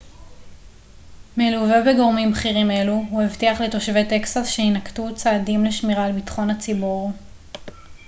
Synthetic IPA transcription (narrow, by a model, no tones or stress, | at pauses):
meluvebeɡo̞ʁmimχiʁime̞luɦuevtiaχlet̪o̞ʃve̞t̪e̞ksasʃeinaktut͡saːdimleʃmiʁalbitχo̞nhat͡sibuʁ